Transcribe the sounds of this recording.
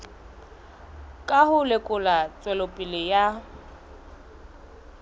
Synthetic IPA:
kʼaɦʊlɪkʼʊlat͡sʼwɛlopʼɪlɪja

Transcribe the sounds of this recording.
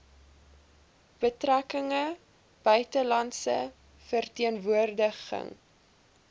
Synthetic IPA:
b̥ətrækəŋə | b̥œɥtəlɐntsə̰ | fərtiənvuərdəχə̰ŋ

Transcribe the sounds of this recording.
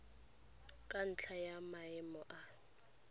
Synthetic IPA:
kʼan̩t͡ɬʰajamaɪmɔʔa

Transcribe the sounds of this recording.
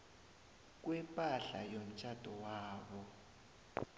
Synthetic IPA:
k̬wɛpʼaɬa̰jom̩t͡ʃʰʼad̥ʱɔwaːɓɔ

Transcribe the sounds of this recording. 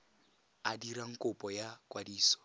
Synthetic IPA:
adiɾaŋ̩kʼʊpʼɔjakʼwadiːsɔ̥

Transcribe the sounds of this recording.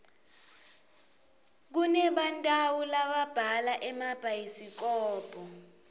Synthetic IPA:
k̬unɛɓantʼawulaɓab̥ʱalaʔɛmab̥ʱajisik̬ɔːb̥ʱɔ

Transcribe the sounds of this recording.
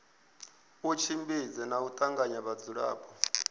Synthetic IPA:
ut͡ʃʰimbid͡zɛnaut̪ʼaŋɡaɲaβad͡zuɺa̰ːpɔ

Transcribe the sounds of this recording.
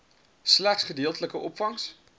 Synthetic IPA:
slæχsχədeːəlˠtələkəʔɔpfɑŋs

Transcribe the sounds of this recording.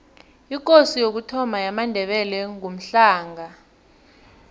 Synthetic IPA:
ik̬ʼosijok̬utʰɔmʱajamandʱɛɓɛlɛŋom̩ɬaːŋa

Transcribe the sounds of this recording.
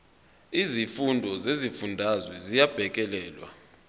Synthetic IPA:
izifundʱɔzezifundʱazwɛzijab̥ʱɛk̬ʼɛlɛːlwa̰

